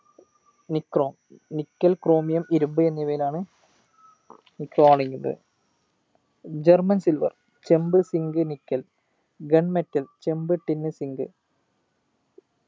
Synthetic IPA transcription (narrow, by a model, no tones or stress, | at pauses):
nikːroːmnikʲːɐlkro̞ːmijɐmiɾumbɨe̞nːiʋɐjilaːɳɨ | nikːroːmaːɳeŋɡinːɐ̰ðɨ̰ | d͡ʑɐrmɐnsilʋɐ̰r | t͡ɕe̞mbɨsiŋɡɨnikːɐl | ɡeɳmetːɐlt͡ɕe̞mbɨʈːinːɨsiŋɡɨ̰